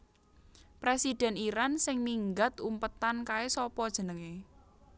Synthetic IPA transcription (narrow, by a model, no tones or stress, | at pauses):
pɾesid̥ɛ̤niɾansɪŋmiŋɡat̪umpət̪ankaesɔpɔd̥ʒ̥ə̤nəŋe